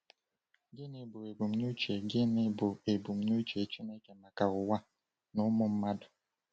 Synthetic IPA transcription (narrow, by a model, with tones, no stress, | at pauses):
ɡe˦ne˦bʊ˨e˨bu˨m̩˦nu˦t͡ʃe˨ɡe˦nɪ˦bʊ˨e˨bu˨m̩˨˦no˦t͡ʃe˨t͡ʃi˦ne˦ke˨na˨ka˨ʊ˨wa˦ | nʊ˦mʊ˦m̩˦ma˦dʊ˨